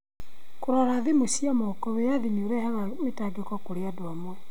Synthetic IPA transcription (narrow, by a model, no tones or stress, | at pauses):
koɾaɾaðemosiamokɔβejaðimoɾɛhaβametaɡekɔkoɾeadwamwɛ